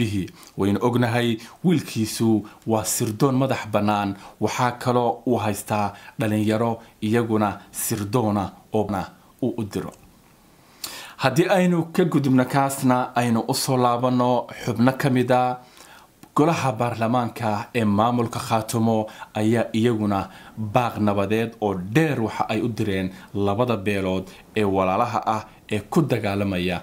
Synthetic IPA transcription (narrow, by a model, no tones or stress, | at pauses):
ɪɦiwɛjnʊʔɔɡnɐɦɛjwiːlkʰiːsʊwɑːsɪrd̪ɔːnmɐðɑħbɐnːaːnwɑħɑːkʰɐlɔːʊɦɛjst̪ʰaːɖɐlɪɲjɐɾɔɪjɐɣʊnɐsɪrd̪ɔːnɐɔːnɐ | uːʔʊd̪ɪɾɔ̰ | hɐd̪iːɛjnʊkʰɐɡʊðʊbnɔkʰaːsnɐɛjnʊʔʊsɔːlaːβɐnːɔħʊbnɐkʰɐmɪðɐ | ɡ̥ɔlɐɦɐbaːrlɐmaːŋkʰɐɛːmaːmʊlkʰɐχaːt̪ʰʊmɔɐjaːʔɪjɐɣʊnɐbaːqnɐβɐðɛːd̪ɔːɖɛːrwɑħɑ̰ʔɛjʊd̪ɪɾɛːnlɐβɐðɐbɛːlɔːd̪ | ɛːwɑlaːlɐɦɐ̰ʔɐh | ɛːkʰʊd̪ɐɣaːlɐmɐjɐ